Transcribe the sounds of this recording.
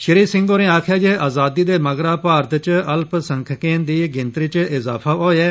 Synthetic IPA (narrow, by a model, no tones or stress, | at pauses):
ʃɪɾiːsɪ̃ŋɡoːnẽːaːkʰjaːd͡ʒeːʔaːzaːd̪iːd̪eːməɡɾaːpaːɾt̪t͡ʃəlpsəŋkʰkẽːnd̪iːɡɪnt̪ɾiːt͡ʃɪzaːpʰaːɦoːjɛː